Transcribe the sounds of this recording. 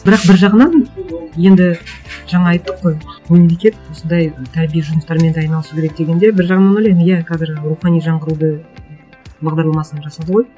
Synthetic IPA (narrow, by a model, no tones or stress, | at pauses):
bɪɾɑq̚bɪɾʒɑʁənɑnje̞nd̪ɪʒɑɴɑːɑjt̪ːəqːo̞jmmemle̞kʲe̞t̪wo̞sənd̪ɑjt̪ʰæɾbijeʒʊnəst̪ɑɾme̞nd̪ɑjnɑlˠəsukʲʰeɾek̚d̪e̞ɡʲe̞nd̪e̞bɪɾʒɑʁənɑnojlʲɑjmjæqʰɑzɪɾɾuχɑnijʒɑɴʁəɾud̪ə | bɑʁd̪ɑɾlˠɑmɑsənɑʒɑsɑd̪əʁo̞j